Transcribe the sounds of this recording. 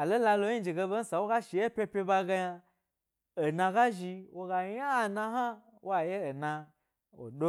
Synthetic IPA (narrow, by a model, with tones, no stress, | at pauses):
a˨lo˦la˧lo˧˦i˦d͡ʒi˨ɡe˧be˦n̩˦sa˨wo˦ɡa˦ʃi˨je˦pʲe˧pʲe˧ba˧ɡa˧ja˧ | o˨nã˧ɡa˦ʒi˧wo˦˧ɡa˧ɲa˦˨na˧ɦa˦ | wʔa˨je˦o˨na˧ | o̰˨do˦